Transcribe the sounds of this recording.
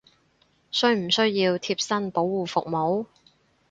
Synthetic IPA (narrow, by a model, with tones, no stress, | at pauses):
sɵ˥ɥm̩˨˩sɵ˥ɥjiː˧wt̪ʰiː˧p̚sɐ˥npo˨˥wːuː˨˩fʊ˨k̚mo˨˥w